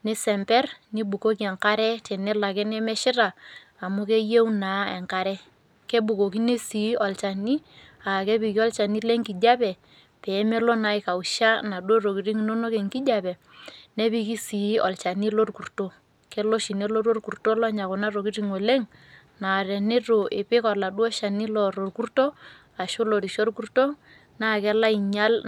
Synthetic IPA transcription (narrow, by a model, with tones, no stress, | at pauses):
ni˦sɛ˨mpɛ˦rni˦bu˨ko˦k̬i˦ɛ˨ŋka˦ɾɛ˦tɛ˨nɛ˦la˨kɛ˦nɛ˦mɛ˦ʃɪ˦ɾaː˨ | mu˦ke˦je˦u˦na˨˦ɛ̰˨ŋka˨ɾɛ˦ | ke˦bu˨ko˨ki˦ne˦si˨˦ɔ˨lt͡ʃa˨ni˦ | a˨ke˦bi˨ki˦ɔ˦lt͡ʃa˨ni˦le˦ŋki˨d͡ʒa˦pɛ˨ | pɛ˨˦me˦lɔ˦na˨˦i˦ka˨u˨ʃa˦na˨do˦ro˨ki˨ɾi˦ŋno˦no˦ke˨ŋki˦d͡ʒa˦˨pɛ˨ | ne˦bi˦ki˦si˨˦ɔ˨lt͡ʃa˨ni˦lo˦rku˨rto˦ | ke˦lo˦ʃi˨ne˦lo˦ɾo˦rku˨rto˦lɔ˦ɲa˨ko˨na˦ro˨ki˦ɾi˦ŋo˨le˦ŋ | na˨ɾɛ˨nɪ˦ɾo˨ʔe˨pe˦kɔ˨la˨ɗwɔ˦ʃa˨ni˦lɔ˨ɾo˨rku˦rto˦ | a˨ʃo˦lo˨ɾi˨ʃo˦rku˦rto˦ | na˦˨kɛ˦la˦i˨ɲa˦l